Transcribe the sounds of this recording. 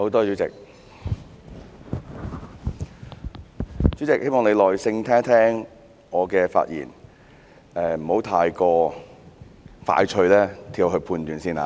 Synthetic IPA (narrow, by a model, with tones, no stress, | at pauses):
ho˨˧˥wt̪ɔː˥t͡ʃy˨˥t͡sɪ̰˨k̚ | t͡ʃy˨˥t͡sɪ˨k̚he˥jmɔː˨ŋne˨˧jlɔː˨jsɪ˧ŋt̪ʰɛː˥ŋt̪ʰɛː˥ŋ | ɔː˨˧kɛː˧fa̰ː˧t̚jḭː˨˩n | ɛː˨˧m̩˨˩ho˨˥wt̪ʰaː˧jkɔː˧ | fa̰ː˧jt͡ʃʰɵ˧ɥlɛː˥t̪ʰiː˧wɦɵ˧ɥpʰuː˧nt̪yː˨˧nsiː˥˩na̰ː˨˧